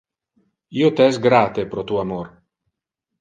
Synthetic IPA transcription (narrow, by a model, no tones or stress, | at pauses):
iːot̪eɛsɡɾat̪epɾot̪uamoɾ